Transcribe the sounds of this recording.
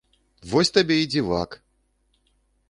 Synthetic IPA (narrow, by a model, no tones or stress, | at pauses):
vɔsʲt̪abʲeid͡zʲiva̰k